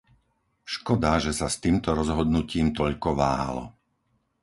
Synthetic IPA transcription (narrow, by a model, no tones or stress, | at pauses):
ʃkɔd̪aʒɛsast̪iːmt̪ɔɾɔzɦɔd̪nuciːmt̪ɔʎkɔʋaːɦa̰lɔ̰